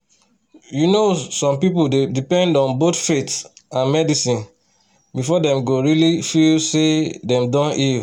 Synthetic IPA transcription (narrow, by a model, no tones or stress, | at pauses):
junosɔ̃mpipuldedipɛ̃ndɔ̃nbotfetãnmɛdisĩn | bifɔdɛ̃mɡoɹilifilsedɛ̃mdɔ̃nil